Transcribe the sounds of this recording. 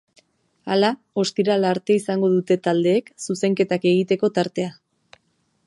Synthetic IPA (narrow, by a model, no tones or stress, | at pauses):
ala | o̞st̪iɾalaɾt̪e̞isaŋɡo̞ðut̪e̞t̪ald̪e̞ːksuse̞ŋke̞t̪ake̞ɣ̞it̪e̞ko̞t̪aɾt̪e̞a